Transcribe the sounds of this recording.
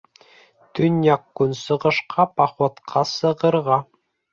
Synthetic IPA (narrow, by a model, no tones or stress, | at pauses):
t̪ɵnjɑkːɵnsɤ̆ʁɤ̆ʃqɑpɑχwɑt̪qʰɑsɤ̆ʁɤ̆ɾʁɑ